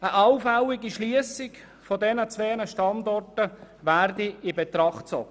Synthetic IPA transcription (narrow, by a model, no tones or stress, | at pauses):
əʔɑwfɛlɪɡiʃliəsɪk | fɔdɛnət͡sʋeːnəʃtɑndɔrtə | ʋæːrdiɪbɛt̪ɾɑχtt͡sɔɡ̥ə